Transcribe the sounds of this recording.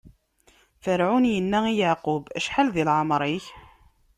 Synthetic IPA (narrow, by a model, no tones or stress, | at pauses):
θəɾʕʊnjənːæijaʕqubæʃħalðilʕəmɾˤiç